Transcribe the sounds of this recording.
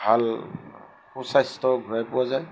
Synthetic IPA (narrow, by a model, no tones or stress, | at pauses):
bʱal | xusastɔɡʱɹajpʊwazaj